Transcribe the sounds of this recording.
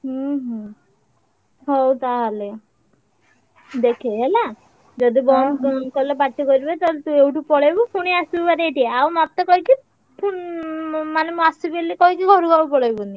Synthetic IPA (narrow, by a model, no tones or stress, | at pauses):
ɦũɦũ | ɦɔwt̪aɦale | d̪ekʰeɦela | d͡ʒɔd̪ibɔnkɔlepaʈːikɔɾibet̪alt̪uewʈupɔɭajbupʰuɽ̃iasubpaɾeʈieawmat̪ːɔkɔiki | pʰuɳ | manemũasubelekɔikiɡʱɔɾuɡaupɔɭajbuni